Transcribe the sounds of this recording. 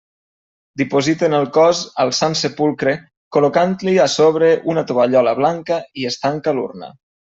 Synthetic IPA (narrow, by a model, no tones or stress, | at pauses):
d̪ipozit̪enəlˠkɔzəlˠsansepulˠkɾe | kolokant̪liasoβ̞ɾeʔunat̪oβaʎɔləβ̞laŋkəiest̪aŋkəlṵrnə̰